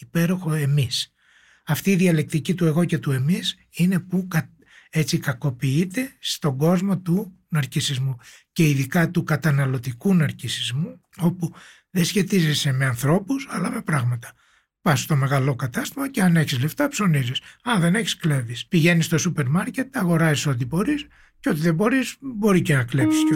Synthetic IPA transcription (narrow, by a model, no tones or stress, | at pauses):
ipe̞ɾo̞xo̞e̞mis | ɐft̪iːðiɐle̞k̚t̪icit̪ue̞ɣo̞ce̞t̪ue̞mis | ine̞pukɐ | e̞t͡sikɐko̞piit̪e̞st̪o̞ɡo̞zmo̞t̪u | nɐɾcisizmu | ce̞iðikɐt̪ukɐt̪ɐnɐlo̞t̪ikunɐɾcisizmu | o̞pu | ðesçe̞t̪ize̞se̞me̞ɐnθɾo̞pusɐlɐme̞pɾɐɣmɐt̪ɐ̥ | pɐst̪o̞me̞ɣɐlo̞kɐt̪ɐst̪imɐce̞ɐneçizle̞ft̪ɐpso̞nizisɐðe̞neçi̥sklevispiʝe̞nist̪o̞supe̞ɾmɐɾce̞t̪ɐɣo̞ɾɐziso̞t̪̬ibo̞ɾis | ceo̞t̪̬iðebo̞ɾisbo̞ɾicenɐkle̞psi̥s